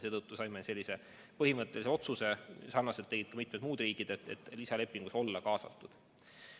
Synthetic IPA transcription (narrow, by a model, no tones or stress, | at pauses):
se̞ːdt̪ɤt̪ːˑusɑjmese̞lʲːise̞ | pɤɦimɤt̪ˑːe̞lise̞o̞t̪suse̞sɑrnɑset̪eɡit̪̚kɑmit̪med̪muːd̪riːkˑid̪̥et̪ːḛt̪ːˑlisɑle̞pːiŋɡ̥uso̞lːɑkɑːsɑ̰t̪ːˑud̪̥